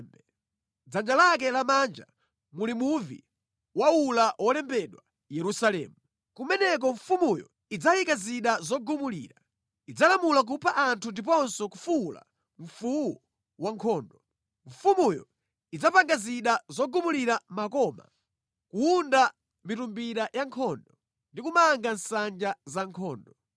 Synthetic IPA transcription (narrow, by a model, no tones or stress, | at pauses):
ɛ | d͡zand͡ʒalak̬ɛlamand͡ʒa | mulimuvḭ | waulawɔlɛmbɛɗwa | jɛɾusalɛ̰ːmu | kumɛnɛk̬ɔɱfumujɔ̰ | id͡zajikaziɗazɔɡumulḭːɾa | id͡zalamulak̬upʰaʔantʰundip̬ɔnsɔkufula̰ | ɱ̩fuwɔ | waŋkʰɔːndɔ | ɱ̩fumujɔ̰ | id͡zapaŋɡaziɗazɔɡumuliɾamakɔma̰ | kuːnda | mitumbiɾajaŋkʰɔndɔ | ndikumaŋɡansand͡ʒazaŋkʰɔːndɔ